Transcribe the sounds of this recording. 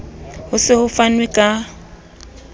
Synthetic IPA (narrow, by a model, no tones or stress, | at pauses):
hʊsɪhʊfanwɛkʼa